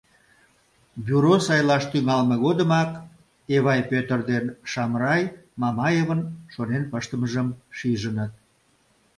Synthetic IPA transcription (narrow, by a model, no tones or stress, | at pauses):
bʲyɾosɑjlɑʃt̪yŋɑlmeɣod̪əmɑk | eβɑjpøt̪ərd̪enʃɑmrɑjmɑmɑjeβənʃonenpəʃt̪əməʒəmʃiʒənət̪̚